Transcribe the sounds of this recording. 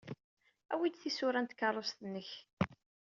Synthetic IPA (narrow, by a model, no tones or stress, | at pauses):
æ̰wid̪θisʊɾænt̪kːɑrˤːost̪ənːəç